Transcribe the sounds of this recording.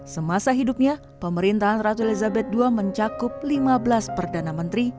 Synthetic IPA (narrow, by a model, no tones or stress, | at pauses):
səmasaɦidup̚ɲa | pəməɾint̪aɦanrat̪uelizabɛt̪̚duaməɲt͡ʃakʊp̚limabəlaspərdanamənt̪ɾi